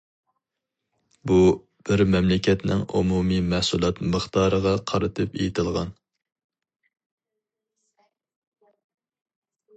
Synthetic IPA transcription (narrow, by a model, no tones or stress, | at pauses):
bu | b̥ɪɾmɛmlɪkʲɛt̪nɪ̰ŋumumimæhsulˠɑt̪məχt̪ʰɑːɾəʁɑqʰɑɾɨt̪ʰɨpḛjit̪ʰɨlˠʁɑn